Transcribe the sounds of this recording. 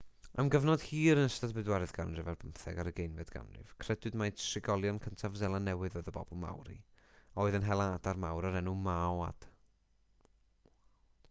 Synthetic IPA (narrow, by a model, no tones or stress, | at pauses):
amɡəvnɔd̥hiːɾənəstadbɨdwaɾɨðɡandrɛvɛrbʰəmθɛ̰ɡaɾəɡejnvɨdɡa̰mrɨ̰v̥kʰr̥ɛdwɨdmajntʃɪɡɔlˠjɔnkʰəntʰavzɛlˠanːɛwɨðɔːɨðəbɔ̰bɔlˠma̰wɾḭ | oːɨðənɦɛlˠaadarmawɾaɾɛnumawa̰d̥